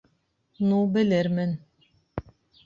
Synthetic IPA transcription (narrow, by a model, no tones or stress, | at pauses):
nubɘ̆lɘɾmɘn